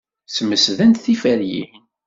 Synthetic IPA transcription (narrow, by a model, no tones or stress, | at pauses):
səmːəsðænt̪θifæɾjḭ